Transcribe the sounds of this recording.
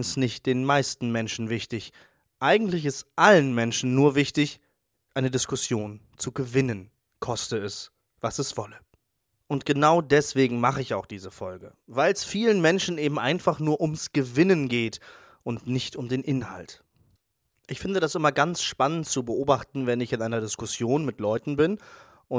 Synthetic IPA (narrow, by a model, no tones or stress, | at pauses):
ŋsnɪçt̚d̥eːnmaɪstn̩mɛnʃn̩vɪçtɪç | ʔaɪɡŋ̩tlɪçɪstʔalənmɛnʃn̩ːuːɐvɪçtɪç | ʔaɪnədɪskʊsjoːn | t͡suɡəvɪnən | kʰɔstəɛs | v̥asɛsv̥ɔlə | ʔʊntɡ̥ənaʊdɛsv̥eːɡŋ̩maχəɪçaʊxd̥iːzəfɔlɡə̰vaɪlɛsfiːlənmɛnʃn̩ʔeːbm̩ʔa̰ɪnfaχnuːɐʔʊmsɡ̥əvɪnənɡeːt | ʔʊntnɪçtʊmdeːnʔɪnha̰lt | ʔɪçfɪndədasʔɪmɐɡant͡sʃpanənt̚t͡subəʔoːbaχtn̩vɛnɪçɪnʔaɪnɐdɪskʊsjoːnmɪtlɔʏtn̩bɪn | ʔʊ